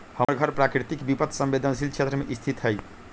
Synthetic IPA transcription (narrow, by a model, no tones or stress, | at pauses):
həməɾɡʱəɾpɾakɾit̪ikbipət̪ʰsə̃mbed̪ʱənsilt͡ʃʰet̪ɾəmeʔist̪ʰit̪ɦəj